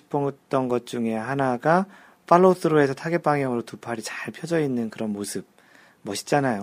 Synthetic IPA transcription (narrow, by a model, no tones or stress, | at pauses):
i̥pʰoŋt͈ʌnɡʌt̚t͡ɕ͈uŋe̞ɦanaɡa | pʰaɭːotʰɯɾoe̞sʰʌtʰaɡe̞p͈aŋɦjʌŋɯɾotupʰaɾit͡ɕaɭpʰjʌd͡ʑʌinːɯnkɯɾʌnmosʰɯb̚ | mʌɕʰi̥t͡ɕ͈anajo